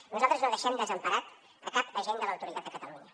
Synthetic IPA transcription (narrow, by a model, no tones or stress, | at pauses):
nuzalˠt̪ɾəznoðəʃɛmd̪əzəmpəɾat̪ | əkapd̪əʒend̪ələwt̪uɾit̪at̪̚d̪əkət̪əluɲə